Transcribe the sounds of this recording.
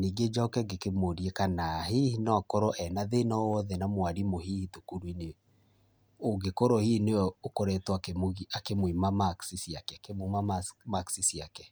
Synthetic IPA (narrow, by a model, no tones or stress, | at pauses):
niɡed͡ʒaɔkɛɡekemoɾiekanahihinɔakɔɾɔʔɛnaðenawɔðɛnamwaɾimohihitokoɾwine | oɡekɔɾɔhineɔokɔɾɛtwakemoiakemoimamaksisjakɛkemomaamaksisjakɛ